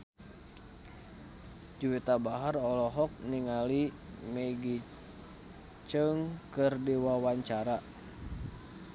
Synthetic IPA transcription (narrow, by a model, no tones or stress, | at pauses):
d͡ʒuwit̪abaɦarɔlɔɦɔk̚niŋalimɛɡi | t͡ʃəŋkɨrdiwawaɲt͡ʃaɾa